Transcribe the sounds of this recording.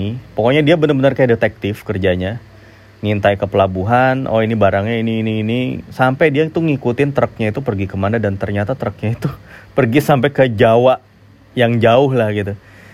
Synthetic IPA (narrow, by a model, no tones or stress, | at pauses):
ipokɔɲadiabənəbənərkajadet̪ɛk̚t̪ɪfkərd͡ʒaɲa | ŋint̪aikəpəlabuɦanʔɔ̰inibaɾaŋɲainiːniːnisampajdiait̪uŋikut̪ɪnt̪əɾək̚ɲait̪upərɡikəmanadant̪ərɲat̪at̪əɾək̚ɲait̪upərɡisampejkəd͡ʒawaʔ | jaŋd͡ʒaʊɦlahɡit̪u